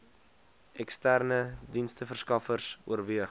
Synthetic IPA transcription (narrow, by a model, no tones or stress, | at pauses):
ɛkstærnədinstəfərskɐfərsuərviəχ